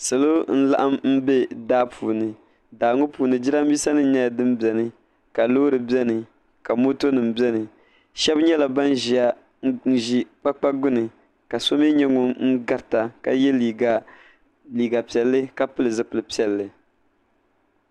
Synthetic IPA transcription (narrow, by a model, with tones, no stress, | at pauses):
sɨ˨lo˦n̩˦la̰˦ʔa˦mm̩˦bɛ˦daː˦pʰuː˨nɨ˨ | daː˨ŋo˦puː˨nɨ˨d͡ʒi˦ɾa˦m˦bi˦sa˦nɨ˦ɲɛ˦ja˨dɨ˦m˦bɛ˨nɨ˦ | ka˨loː˦ɾɨ˨bɛ˦nɨ˨ | ka˨mo˦to˦nɨ˨mbɛ˦nɨ˨ | ʃɛ˦bɲɛ˦la˨ba˦n˦ʒi˨a˦ | n̩˦ʒi˦k͡pa˦k͡pa˦ɡʊ˦nɨ˨ | ka˨so˦mi˦ɲɛ˦ŋʊ˨ŋ̩˦ɡa˨ɾta˨ka̰˨jɛ˦li˨ | liː˨ɡa˨pi˨ɛ˨lːɨ˦ka˨pɨ˦lɨ˨zɨ˦pɨ˨lɨ˨pi˦ɛ˨lːɨ˨